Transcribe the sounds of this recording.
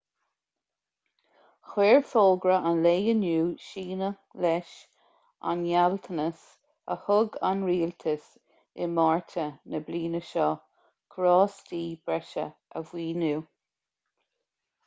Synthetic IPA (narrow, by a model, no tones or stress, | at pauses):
xweːɹfoːɡɾəʔanleːənuːʃiːnə | lɛʃ | a̰njalt̪ʰənəs | ə̰hʊɡa̰nɹiːlt̪ʰəs | ɪmaɹtʰənəbliːnəʃɔ | kʰɾɔːstiːb̥ɾɛʃə̰əvwiːnuː